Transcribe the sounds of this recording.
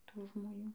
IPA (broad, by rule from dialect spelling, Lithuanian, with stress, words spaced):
ˈtuː ʒmoːˈnʲuː